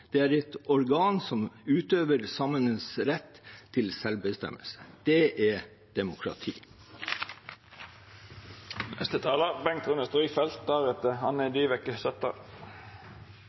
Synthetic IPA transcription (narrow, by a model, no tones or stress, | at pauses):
d̪̥ɛæːɾɛt̪ɔɾɡɑːnsɔmʉːt̪øːʋəɾsɑmənəsɾɛt̪ʰːɪlsɛlʋbəst̪ɛ̰mə̰lsə̥d̪̥ɛʔæ | d̪̥ɛmʊkʰɾɑ̰t̪ʰḭː | nʔɛ̰st̪ət̪ʰɑːləbɛŋt̪ʰʁʉnəst̪ʁiːfɛlt̪̚d̪æʁɛt̪əhɑnɛd̪iːʋɛkəsɛt̪ːə̰